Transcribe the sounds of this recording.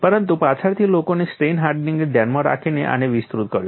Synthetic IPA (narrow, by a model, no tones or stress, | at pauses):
pəɾənt̪upat͡ʃʰaɾt̪ʰilokonesʈenɦaɾɖniŋɡed̪ʱɛnmaɾa̰kʰinḛʔa̰neʋist̪ɾut̪̚kəɾjũ